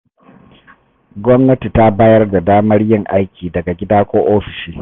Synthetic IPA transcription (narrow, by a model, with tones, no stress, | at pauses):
ɡʷɔ˦mnɐ˦ti˨ta˦baː˦jɐ˦rda˨daː˦mɐ˦rjɪ˦ŋʔa˦jkʲiː˨dɐ˨ɡa˨ɡʲɪ˦daː˦kʷoː˦ʔoː˦ɸɪ̥˨ʃiː˦